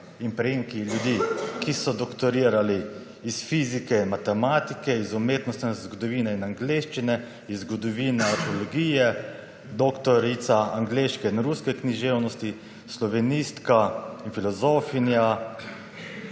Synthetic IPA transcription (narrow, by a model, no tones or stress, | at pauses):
inpɾɛjiːŋkiljud̪iːkisɔd̪ɔkt̪ɔɾiːɾaliː | sfizikɛinmat̪ɛmaːt̪ikɛizumeːt̪nɔst̪nɛzɡɔd̪ɔʋiːnɛinaŋɡleːʃt͡ʃinɛ | izːɡɔd̪ɔʋiːnɛat̪ɔlɔɡiːjɛ | d̪oːkt̪ɔɾit̪saaŋɡleːʃkɛinɾuskɛkniʒewnɔst̪i | slɔʋɛnist̪kainfilɔzoːfinja